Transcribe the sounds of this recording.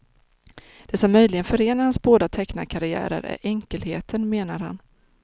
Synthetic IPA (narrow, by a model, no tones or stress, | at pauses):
d̪̥ɛsɔmːœjlɪɡənfœɾeːnaɾhansboːd̪at̪ʰɛkna̰kʰaɾɪæ̰ːɾə̰ɾʔæ̰ɾʔɛŋkəlhḛːt̪ʰənmeːnaɾha̰n